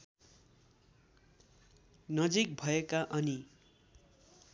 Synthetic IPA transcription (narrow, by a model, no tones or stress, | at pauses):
nʌd͡zik̚bʱʌekaʔʌni